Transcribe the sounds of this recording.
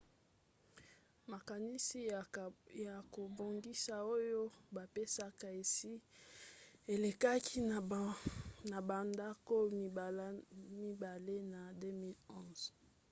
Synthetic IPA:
ma˨ka˨ni˦si˦ | ja˨ko˨bo˨ŋɡi˦sa˨o˦jo˦ba˨pe˦sa˦ka˨e˨si˦ | e˨le˨ka˦kʰi˦˨ | na˨ba˨nda˦ko˦mi˨˦mi˦ba˨le˦na˨de˦mi˦lɔ̃˦z̥

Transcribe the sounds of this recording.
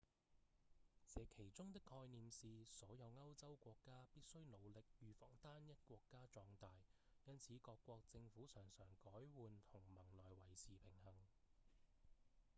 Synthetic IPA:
t͡sɛː˨˧kʰe˨˩jt͡sʊ˥ŋt̪ɪ˥kʰːɔː˧jniː˨msiː˧sɔː˨˥jɐ˨˧wŋɐ˥wt͡sɐ˥wkʷɔː˧kːaː˥piː˥t̚sɵ˥ɥno˨˧wlɪ˨k̚jyː˨fɔː˨˩ŋt̪aː˥njɐ˥t̚kʷɔː˧kːaː˥t͡ʃɔː˧ŋt̪aː˨˧j | jɐ˥nt͡sʰiː˨˥kɔː˧kːwɔː˧k̚t͡sɪ˧ŋfuː˨˥sœː˨˩ŋsœː˨˩ŋkɔː˨˥jwuː˨˧nt̪ʰʊ˨˩ŋmɐ˨˩ŋlɔː˨jwɐ˨˩jsʰiː˨˩pʰɪ˨˩ŋhɐ˨˩ŋ

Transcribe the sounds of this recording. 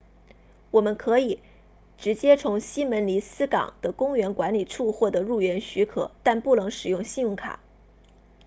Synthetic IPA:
wɔ˨˩mə˦nkʰɤ˧˥i˨˩ | ʈ͡ʂɻ̩˧˥t͡ɕjɛ˥t͡sʰʊ˧˥ŋɕi˥mə˧˥nli˧˥sɹ̩˥kɑ̰˨˩ŋd̪̥ə˦kʊ˥ŋɥɛ˧˥nkwa˧˥nli˨˩ʈ͡ʂʰu˥˧xwɔ˥˩d̪ɤ˨˩ɻu˥˩ɥɛ˧˥nɕy˧˥kʰɤ̰˨˩˦t̪a˥˧npu˥˩nɤ˧˥ŋʂɻ̩˨˩jʊ˥˧ŋɕi˥˧njʊ˥˩ŋkʰa̰˨˩˦

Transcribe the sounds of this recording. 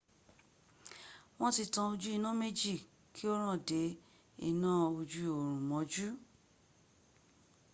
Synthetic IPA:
w̃ɔ̃˦ti˧tã˧o˧d͡ʒu˦i˦˧nã˦me˦d͡ʒi˦˨ | kʰi˦o˦ɾ̃ã˦˨de˨˦ | ḭ˦˨nã˦o˧d͡ʒu˦o˨ɾ̃ũ˨mɔ̃˨˦d͡ʒu˦

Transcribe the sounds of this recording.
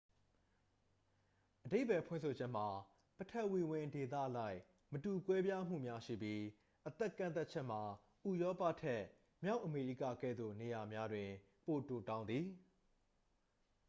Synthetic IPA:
ʔəde˦ɪʔpɛ˨pʰwɪ̰̃˦˨sʰo˨d͡ʑɛ˦m̥a˨ | pətʰɛ˦ʔwi˨wɪ̃˨nde˨t̪̬ä̰˦˨ʔla˦ɪʔ | mətu˨kwɛ˦bja˦m̥ṵ˦˨mja˦ʃḭ˦˨pji˦ | ʔət̪ɛ˦kːã˦˨nt̪a˦t̚t͡ɕʰɛ˦ʔm̥a˨ | ʔu˨jɔ˦pa̰˦˨tʰɛ˦ | mja˦ʊʔəme˨ɹḭ˦˨ka̰˦˨ɡɛ̰˦˨d̪ðo̰˦˨ne˨ja˨mja˦dwɪ̃˨ | po˨to˨tã˦ʊ̃nd̪ði˨

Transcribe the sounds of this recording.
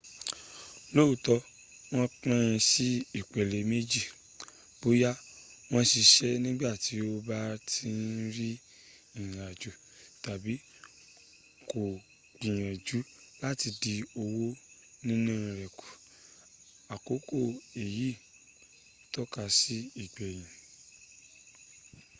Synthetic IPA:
lo˦u˨tɔ˧ | w̃ɔ̃˦k͡pã˦ĩ˧si˦i˨k͡pɛ˨le˨me˦d͡ʒi˦˨ | b̥o˨˦ja˦w̃ɔ̃˦ʃi˧ʃɛ˦nĩ˦ɡ͡ba˦˨ti˨˦o˧ba˦tʰi˦n̩˦ɾi˦ | ĩ˦˨a˨d͡ʒu˨˦ | ta˨bi˨˦ | ko˨ | k͡pĩ˨j̃ɛ̃˨d͡ʒu˨˦ | la˦˨ti˧di˧o˧wo˦ | nĩ˦nũ˦˧ɾɛ˨ku̥˨ | a˨ko˨˦ko˦˨e˨ji˨˦˨ | tɔ˦ka˧si˦i˨ɡ͡bɛ˨j̃ĩ˨

